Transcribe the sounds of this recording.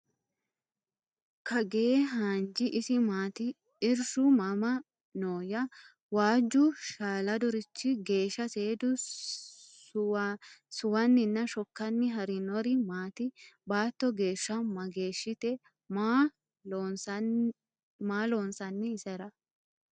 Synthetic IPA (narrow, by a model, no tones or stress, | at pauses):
kʰɐɡeːɦaːnd͡ʒɪʔɪsɪmaːt̪ɪ | ɪɾʃʊmɐmɐ | noːjɐ | waːd͡ʒːʊʃaːlɐd̪ɔɾɪt͡ʃːɪɡe̞ːʃːɐseːd̪ʊ | sʊwɐnːɪnːɐʃɔkːɐnːɪɦɐɾɪnɔɾɪmaːt̪ɪbaːt̪ːɔɡe̞ːʃːɐmɐɡe̞ːʃːɪt̪ɛ | maːloːnsɐnːɪːsɛɾɐ